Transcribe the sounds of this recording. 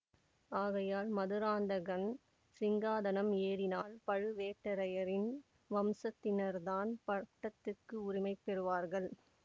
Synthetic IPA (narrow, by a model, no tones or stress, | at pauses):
aːɣɐjaːlmɐðɯɾaːnd̪ɐɣɐn | sɪŋɡaːðɐnɐmeːɾɪnaːlpɐɻɯʋeːʈːɐɾɐjɐɾɪn | ʋɐmsɐt̪ːɪnɐɾðaːnpɐʈːɐt̪ːɯkːɯʊɾɪmɐɪpːɛɾɯʋaːɾɣɐɭ